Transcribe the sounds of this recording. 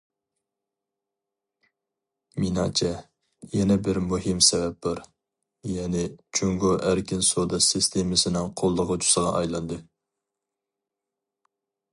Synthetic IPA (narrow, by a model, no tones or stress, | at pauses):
minɑ̰t͡ʃʰɛ | jɛnɛbɪɾmuɦɪmsɛvɛp̚d̪ɑɾ | jɛnɪt͡ʃʰyŋɡoʔæɾkʲɪnsod̪ɑsɪst̪ʰemɪsɪnɪŋqʰolˠːəʁət͡ʃʰu̥səʁɑ̰ʔɑjlˠɑnd̪ɨ